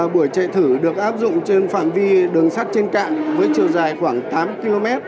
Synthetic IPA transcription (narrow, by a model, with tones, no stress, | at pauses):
a˨˩ɓu˧˩əjt͡ɕə̰˧˨t̪ʰɨ˧˩ɗɨ˨˩ək̚ʔaː˦˥p̚zʊ̰˧˨ŋ͡mt͡ɕe˧nfaː˧˩mvi˧ɗɨ˨˩əŋsa˦˥t̚t͡ɕe˧nka̰ː˧˨nvəː˨˦jt͡ɕi˨˩əwzaː˨˩jxwaː˧˩ŋt̪aː˨˦mki˧lo˧mɛ˦˥t̚